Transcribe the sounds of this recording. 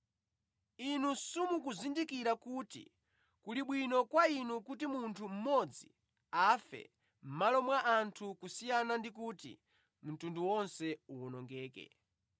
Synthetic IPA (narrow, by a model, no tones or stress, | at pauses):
inusumukuzindikiɾakuːtḭ | kuliɓwinɔkwainukutimuntʰum̩mɔd͡zi | afɛ̰ | m̩malɔmwaʔantʰukusijanandik̬uːtḭ | m̩tunduwɔnsɛuɔnɔŋɡɛːkɛ̰